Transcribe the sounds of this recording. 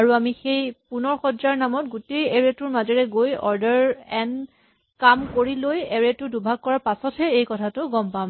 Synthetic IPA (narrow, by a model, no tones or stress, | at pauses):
aɹuamixejpunɔɹxɔdzaɹnamɔt̚ɡutejeɹetʊɹmazɛɹɛɡojɔ̰ɹdɛɹɛn | kamkoɹilojɛɹetʊdubʱaɡ̚kɔɹaɹpasɔtʰɛejkɔtʰatʊɡɔmpam